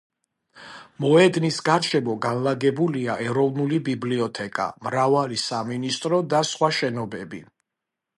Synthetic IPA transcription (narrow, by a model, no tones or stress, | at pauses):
mɔɛd̪nisɡaɾʃɛmɔɡanlaɡɛbuliaʔɛɾɔvnulibibliɔt̪ʰɛkʼa̰mɾavalisaminist̪ʼɾɔd̪asχwaʃɛnɔbɛbḭ